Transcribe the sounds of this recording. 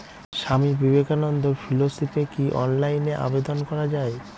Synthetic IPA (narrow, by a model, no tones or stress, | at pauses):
ʃamibibekanɔnd̪oɾfilosipekiʔɔ̰nlajneʔa̰bed̪onkɔɾad͡ʑae